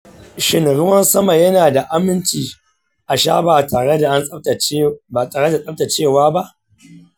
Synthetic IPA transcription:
ʃɪ˨nɽʊ˦wɐ˦nsɐ˦ma˨jɐ˦naː˨da˨ʔa˦mɪ˦nt͡ʃiː˨ | ʔa˨ʃa̰ː˦baː˨taː˨ɽe˦da˨ʔa˦n˦˨ba˨taː˨ɽe˦da˨sʼɐ˦b̚ta˨t͡ʃeː˦˨waː˦ba˦ʔ

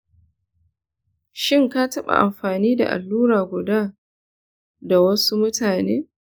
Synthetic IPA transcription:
ʃɪ˦ŋka˦tɐ˦ɓa̰˨ʔa˨mɸaː˨niː˦da̰˨ʔa̰˨lːuː˦ɾaː˨ɡʷʊ˨daː˦ | da˨wɐ˦su˦mʊ˦taː˨neː˦

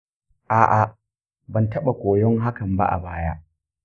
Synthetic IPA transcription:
ʔaː˨ʔa˨ | bɐ˨ntɐ˦ɓa˨kʷoː˨jɔ˦ŋɦa˦kɐ˨mba̰˦ʔa̰˨baː˦jaː˦ʔ

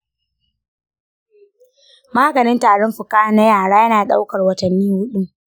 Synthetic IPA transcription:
maː˦ɡɐ˨nɪ˦ntaː˨ɽɔ˦mɸʊ˨kaː˦˨nɐ˦jaː˨ɽaː˦jɐ˦naː˨ɗa̰˦wkɐ˨rwɐ˨tɐ˨nːiː˦hʊ˦ɗu˦m

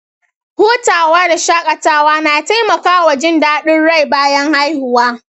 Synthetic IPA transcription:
hoː˦taː˨waː˦da˨ʃaː˦kʼɐ˨taː˦waː˦naː˨ta˦jmɐ˨kaː˦wɐ˨d͡ʒɪ˦ndaː˦ɗɪ˦nɽa˦˨jbaː˦jɐ˦ŋha˦jhʊ˨waː˦

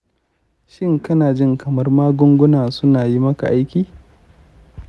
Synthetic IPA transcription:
ʃɪ˦ŋkɐ˦naː˨d͡ʒɪ˦ŋkɐ˨mɐ˦rmaː˦ɡʷʊ˦ŋɡʷʊ˦naː˨sʊ˦naː˨ji˦mɐ˦ka̰˨ʔa˦jkʲiː˨

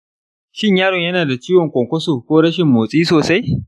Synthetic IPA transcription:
ʃɪ˦ɲjaː˦ɽɔ˨ɲjɐ˦naː˨da˨t͡ʃiː˦wɔ˨ŋkʷɔ˨ŋkʷɐ˦soː˨kʷoː˦ɽɐ˦ʃɪ˨mːoː˨sʼiː˦soː˨sa˦j

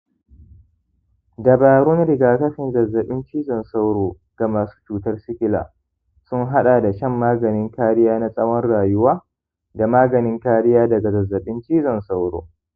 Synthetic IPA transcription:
dɐ˨baː˨ɾoː˦nɾɪ˨ɡaː˦kɐ˦ɸɪ˨ŋɡɐ˨zːɐ˨ɓɪ˦nt͡ʃiː˦zɐ˨nsa˦wɾoː˨ | ɡ̥a˨maː˨su̥ː˦t͡ʃuː˨tɐ˦rsɪ˦kʲɪ˦la̰ː˨ | sʊ˦ŋɦa˦ɗa˨da˨ʃɛ˦mːaː˦ɡɐ˨nɪ˦ŋkaː˦ɽɪ˦jaː˦na˦sʼɐ˦wɐ˦nɽaː˨jʊ˦waː˦ | da˨maː˦ɡɐ˨nɪ˦ŋkaː˦ɽɪ˦jaː˦dɐ˨ɡa˨ɡɐ˨zːɐ˨ɓɪ˦nt͡ʃiː˦zɐ˨nsa˦wɾo̰ː˨

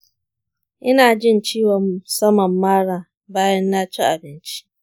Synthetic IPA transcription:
ʔɪ˦naː˨d͡ʒɪ˦nt͡ʃiː˦wɐ˨m˨sɐ˦mɐ˨mːaː˦ɽaː˨ | baː˦jɐ˦nːaː˦t͡ʃi˦ʔa˨bɪ˦nt͡ʃi̥˦ʔ

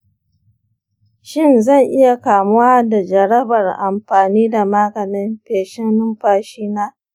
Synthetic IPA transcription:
ʃɪ˦˨nzɐ˦˨ŋʔɪ˦ja˨kaː˨mʊ˦waː˦da˨d͡ʒɐ˨ɾɐ˦bɐ˨rʔa˨mɸaː˨niː˦da˨maː˦kɐ˨mɪ˦mɸeː˨ʃɛ˦nnʊ˦mɸaː˦ʃiː˦naː˦

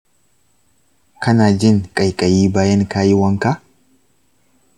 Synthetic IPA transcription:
kɐ˦naː˨d͡ʒɪ˦nkʼɐ˨jkʼɐ˨jiː˦baː˦jɛ˦nkaː˦jɪ˦wɐ˦ŋka˦

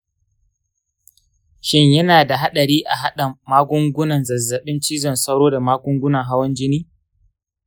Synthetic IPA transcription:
ʃɪ˦ɲjɐ˦naː˨da˨ɦa˦ɗɐ˨ɾiː˦ʔa˨ɦa˦ɗɐ˨maː˦ɡʷʊ˦ŋɡʷʊ˦nɐ˨nzɐ˨zːɐ˨ɓɪ˦nt͡ʃiː˦zɐ˨nsɐ˦ɽoː˦da˨maː˦ɡʷʊ˦ŋɡʷʊ˦nɐ˨ŋɦa˦wɐ˦nd͡ʒɪ˦niː˦

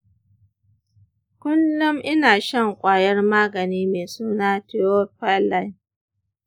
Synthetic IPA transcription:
kʷʊ˦lːʊ˦mʔɪ˦naː˨ʃɐ˦˨ŋkʷʼaː˨jɐ˦rmaː˦ɡɐ˨niː˦meː˨suː˦naː˦tɪ˦o˦ɸa˦la˦j

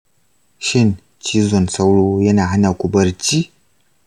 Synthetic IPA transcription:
ʃɪ˦˨n | t͡ʃiː˦zɔ˨nsa˦wɽoː˦jɐ˦naː˨ha˦naː˨kʷʊ˨bɐ˦rt͡ʃiː˦

